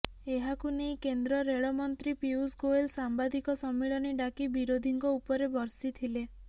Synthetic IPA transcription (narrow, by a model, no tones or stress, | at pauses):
eɦakunejkend̪ɾɔɾeɭɔmɔnt̪ɾipiusɡoelsambad̪ikɔsɔmːiɭɔniɖakibiɾod̪ʱiŋkɔupɔɾebɔɾsit̪ʰile